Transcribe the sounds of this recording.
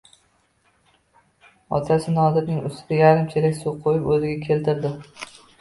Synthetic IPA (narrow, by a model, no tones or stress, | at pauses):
ɒ̰t̪ʰasɪnɒd̪ɪt̪̚nɪŋʊst̪ɪd̪ajaɾɪmt͡ʃʰelɪkʲsoqʰojɪpɵzɪɡʲakʲʰe̞lt̪ʰɪɾd̪ɪ